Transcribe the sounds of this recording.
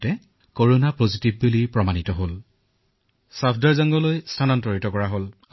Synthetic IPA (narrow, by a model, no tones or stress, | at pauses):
tɛ | koɹonapozitib̚bulipɹɔmanitɔɦol | sapʰdaɹzaŋɡɔlojstʰanɔntɔɹitɔkɔɹaɦol